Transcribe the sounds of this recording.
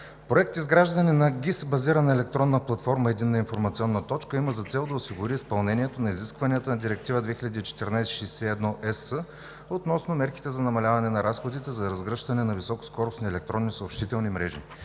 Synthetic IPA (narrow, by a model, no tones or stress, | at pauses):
pɾoɛk̚t̪izɡɾaʒd̪əninɐɡʲisbɐziɾənɐɛlɛk̚t̪ɾɔnːəplˠɐt̪fɔɾməɛd̪inːəinfoɾmɐt̪siɔnːət̪ɔt͡ʃkəiməzɐt̪sɛlˠd̪ɐʊsiɡʊɾiːspɐlˠnɛniɛt̪onɐiziskvɐnʲijət̪ənɐd̪iɾɛk̚t̪ivəd̪vɛxʲilʲʎɐd̪iːt͡ʃɛ̥t̪iɾnajsʃɛjsɛɛd̪nɔʔɛsə | ot̪nɔsnomɛɾki̥t̪ɛzɐnɐmɐlʲavɐnɛnɐɾasxod̪it̪ɛzɐɾɐzɡɾɤʃt̪ɐnɛnɐvisɔko̥skɔɾʊsniɛlɛk̚t̪ɾɔnːisɐopʃt̪it̪ɛlˠnimɾɛʒḭ